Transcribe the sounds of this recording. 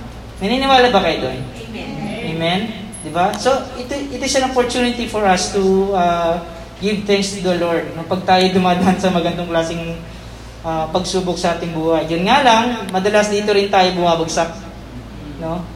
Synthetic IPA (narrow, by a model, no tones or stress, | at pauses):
nɐniːnɪwaːlɐbɐkɐjod̪o̰n | emɛn | d̪ɪbaso̞ʔɪt̪ʔɪt̪ɪsɐnopoɹt̪uːnɪt̪ifoɹɐst̪uaː | ɡɪvt̪ɛ̃ŋkst̪ud̪ɐloɹd̪̚nopɐɡ̚t̪aːjod̪ʊmaːd̪ɐɐnsɐmɐɡɐnd̪ɐŋklaːsɪŋ | ʔɐːpɐɡsuːboksɐʔaːt̪ɪŋbuːhɐjːʊnŋalɐŋmɐd̪ɐlasd̪iːt̪oɾɪnt̪aːjobʊmaːbɐɡsak̚ | no̞